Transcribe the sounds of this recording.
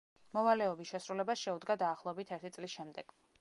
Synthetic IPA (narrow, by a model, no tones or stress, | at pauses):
mɔvalɛɔbisʃɛsɾulɛbasʃɛud̪ɡad̪aːχlˠɔɛbit̪ʰɛɾt̪ʰit̪sʼlisʃɛmd̪ɛɡ̥